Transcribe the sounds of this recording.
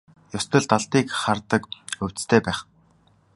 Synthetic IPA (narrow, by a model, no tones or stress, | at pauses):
jʊst̪ɞ̆ɮt̪aɮt̪iːkχart̪ə̆kɵw̥t͡st̪ʰeːpæːχ